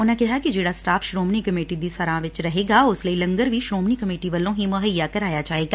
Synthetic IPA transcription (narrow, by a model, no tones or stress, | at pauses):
ʊnãkɛɦakid͡ʒeːɽasʈaːfʃɾoːmnikɐmeːʈid̪isɐɾãːʋɪt͡ʃɾɐɦeːɡaʊsləilɐ̃ŋɡəɾʋʱiʃɾoːmnikɐmeːʈiʋɐlõɦimɐɦəjːakɐɾaːjad͡ʒaːeːɡaː